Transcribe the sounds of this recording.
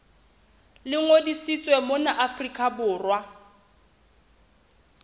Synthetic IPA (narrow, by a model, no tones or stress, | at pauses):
lɪŋodisit͡sʼwɛmʊnaʔafrikʼabʊːrwa